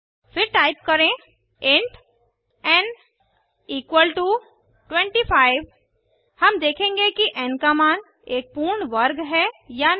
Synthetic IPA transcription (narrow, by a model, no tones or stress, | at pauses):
fɪɾʈaːɪp̚kɐɾẽ | ẽɳʈ | ɛ̃ːn | iːkwəlʈu | ʈwɛ̃ɳʈifaːɪʋ | hɐmd̪eːkʰẽːŋɡekiʔɛ̃ːnkaːmaːn | eːk̚puːɾɳʋɐɾɡɦɛja